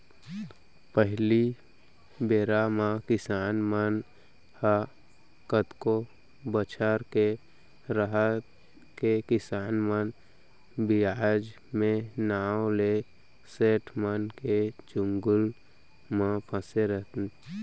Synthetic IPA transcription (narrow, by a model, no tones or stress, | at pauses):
pəɦli | beːɾamãkɪsaːnmən | ha | kət̪ko | bət͡ʃʰəɾke | ɾəɦət̪ | kekɪsaːnmən | biad͡ʒ | mẽnaːole | seːʈʰmənked͡ʒʊŋɡʊl | mãpʰə̃seɾət̪